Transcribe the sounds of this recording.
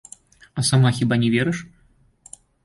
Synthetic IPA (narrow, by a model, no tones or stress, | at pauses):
ɐsamaxʲibanʲɛvʲɛɾɨʂ